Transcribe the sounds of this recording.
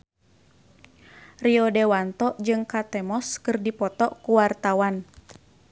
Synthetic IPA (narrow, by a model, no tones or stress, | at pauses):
riɔdɛwant̪ɔʔd͡ʒɨŋkat̪ɛmɔskɨrdipɔt̪ɔʔkuwart̪awan